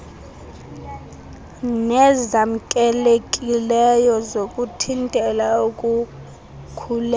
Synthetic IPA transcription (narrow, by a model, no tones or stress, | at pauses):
nɛzam̩kʼɛlekʼilɛjɔzokʼutʰintʼɛlaukʼu | kʰulɛ